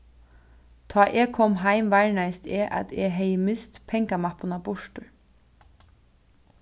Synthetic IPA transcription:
t̪ʰɑːʔɛkʰɔmɦaɪmʋaɹnajst̪ɛːʔa̰t̪ɛɦɛjəmɪst̪pʰɛŋkamapʊnabʊʃtʊ

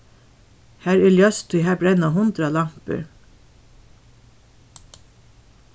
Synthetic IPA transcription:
hæːɹɛljœst̪ʰujɦæːbɾɛnaɦʊnd̪ɾalɑm̥pə̰ɹ

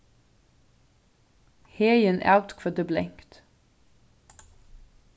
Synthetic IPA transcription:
heːjənʔæ̰ʉt̪kʰʋəd̪əblɛŋkt̪

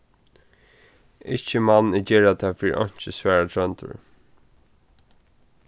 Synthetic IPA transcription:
ɪht͡ʃːəmanːɪd͡ʒɛːɹat̪ʰafiːɾ̰ʔɔ̰ɲ̥t͡ʃəsvæːɹat̪ʰɹœnt̪ʊ̰ɹ

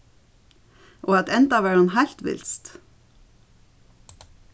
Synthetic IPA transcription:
ʔoːɑt̪ɛnt̪ɑʋæːɹhʊnhæɪl̥t̪ʋɪ̰lst̪

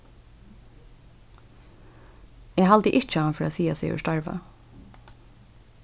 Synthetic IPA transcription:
eːhɑld̪əʔɪt͡ʃəɑːnfɾaːsiːasḭːʉ̰ʃtɑɹʋɑ̰

